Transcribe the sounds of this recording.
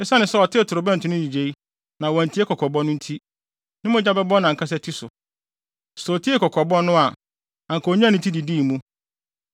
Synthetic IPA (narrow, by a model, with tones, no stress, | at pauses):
ɪ˦sa˦nɪ̃˨sɛ˦ɔ˨tʰɪ˦˨tʰʊ˨ɾʊ˨bɛ̃˦n̩˨tʰʊ˨˦nʊ̃˦di˨d͡ʑe˨i˦ | nã˨wɔ̃˨n̩˨tʰi˦e˦kʰɔ˨kʰɔ˨bɔ˦nʊ̃˦n̩˦tʰi˦ | nɪ̃˦mʊ̃˦d͡ʑa˦bɛ˦bɔ˦nã˨ŋ̩˨kʰa˦s̬ɛ˦tʰi˦sʊ˨ | so˨tʰi˦e˦kɔ˨kʰɔ˨bɔ˦nʊ̃˦a˨ | ã˨ŋkʰɔ˨ɲ˦ã˦n˨ɪ̃˨tʰi˦di˨diː˦˨mũ˦